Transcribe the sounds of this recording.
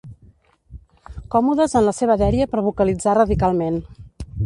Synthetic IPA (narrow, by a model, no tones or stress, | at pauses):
kɔmuðəzənləseβ̞əðɛɾiəpəɾβukəlid͡zarəðikalˠmen